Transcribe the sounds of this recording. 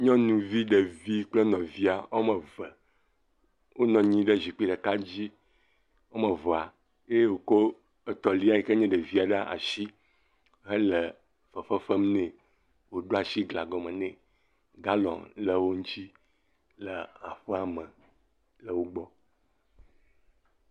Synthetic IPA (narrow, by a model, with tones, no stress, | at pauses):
ɲɔ̃˦nũ˦vi˦ɖə˨vi˦k͡ple˦nɔ̃˨vi˦a˨wo˦mə̃˨və˨ | wo˦nɔ̃˨ɲĩ˦ɖə˦zi˨k͡pi˦ɖə˨ka˦d͡ʑi˦ | wo˦mə̃˨vɔ˨a˨ | je˦wo˨ko˦ | ə˦t̪ɔ˨li˦a˨i˨kə˦ɲɛ̃˦ɖə˨vi˦a˨ɖa˦a̰˨ʃi˦ | ɦə˦lə˨ | fə˨fə˦fə˦mnɛ̃˨ | wo˨ɖo˦a˨ʃi˦ɡla˨ɡɔ˨mə̃˨nɛ̃˨ | ɡa˦lɔ̰̃˨nlə˨wo˦ŋ̩˦t͡ɕi˦ | lə˨a˨ɸə˦a˨mə̃˨ | lə˨wo˦ɡ͡bɔ˦